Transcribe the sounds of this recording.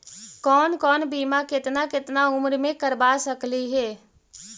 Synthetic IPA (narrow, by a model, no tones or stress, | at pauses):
kɔːnkɔːnbiːmakɪt̪nakɪt̪naʊmɾmẽkəɾbasəkliɦɛː